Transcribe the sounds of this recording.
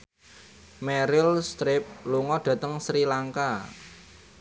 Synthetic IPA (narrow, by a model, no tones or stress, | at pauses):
mɛɾɪlst̪ɾɪp̚luŋɔɖ̥ä̤t̪əŋsɾilaŋka